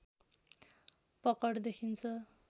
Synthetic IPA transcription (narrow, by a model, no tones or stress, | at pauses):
pʌkʌʈd̪ekʰint͡sʰʌ